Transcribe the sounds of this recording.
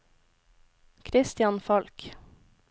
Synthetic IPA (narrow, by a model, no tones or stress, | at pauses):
kʰɾɪst̪ɪjɑnfɑlk